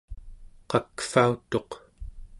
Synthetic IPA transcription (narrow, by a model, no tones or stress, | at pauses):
qɑkfaut̪o̞q